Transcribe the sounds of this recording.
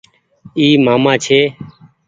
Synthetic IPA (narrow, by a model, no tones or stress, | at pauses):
iːmaːmãːt͡ʃʰeː